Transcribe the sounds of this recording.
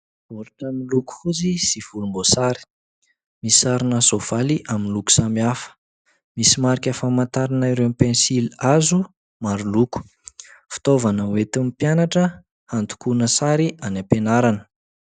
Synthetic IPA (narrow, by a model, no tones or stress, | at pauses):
uɾaʈ͡ʂamiluku̥huzisiv̥ulumbosaɾi̥ | misaɾinəsov̥aliʔaminluku̥samiafə̥ | misimaɾikʲafamant̪aɾanaiɾewmipensilazu | maɾuluku̥ | fi̥t̪ovanəwet̪umipjanaʈ͡ʂə | hant̪u̥kunəsaɾianapenaɾanə̥